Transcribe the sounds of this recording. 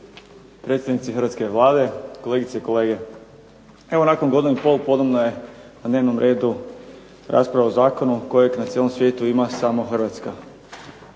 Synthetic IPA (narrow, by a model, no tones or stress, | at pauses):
pɾet̪st̪aʋnit̪sixər̩ʋat̪ske̞ʋlˠaːd̪e̞ko̞lˠe̞ɡit̪seiko̞leːɡe̞ | e̞ʋo̞nakonɡod̪inipo̞lpo̞d̪obnoje̞nad̪neːʋno̞mɾʔe̞ːd̪u | ɾʔa̰spɾaʋaozaːko̞nuko̞jeɡnat̪jelo̞msʋje̞ːt̪uimasamoxrʋat̪ska